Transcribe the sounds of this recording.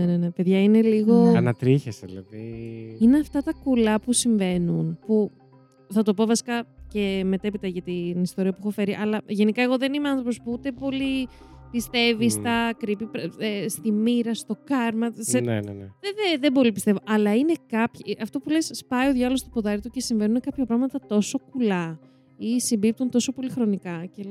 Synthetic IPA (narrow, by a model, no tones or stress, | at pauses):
enenepe̞ðʝɐine̞liɣo̞ɐnɐt̪ɾiçesḭlɐ̰ðiineɐft̪ɐt̪ɐkulɐpusiɱve̞nunpu | θɐt̪o̞po̞vɐsi̥kɐce̞me̞t̪epit̪ɐʝɐt̪inist̪o̞ɾiɐpuexo̞fe̞ɾiʔɐlɐʝe̞nikɐe̞ɣo̞ðe̞nimeɐnθɾo̞pospuut̪e̞po̞lipist̪e̞vist̪ɐkɾipipɾest̪imiɾɐst̪o̞kɐɾmɐsen̰neeðebolipist̪e̞vo̞ʔɐlɐine̞kɐpçʔɐft̪o̞pule̞sːpɐio̞ðʝɐlo̞st̪opoðɐɾit̪uce̞siɱve̞nunekɐpçɐpɾɐɣmɐt̪ɐt̪o̞so̞kulɐ | isimbip̚t̪unt̪o̞so̞po̞lixɾo̞nikɐce